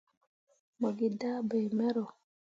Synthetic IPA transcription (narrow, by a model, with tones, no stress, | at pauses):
mɔ˨ɡi˨da˦be˨mɛ˦ɾɔ˨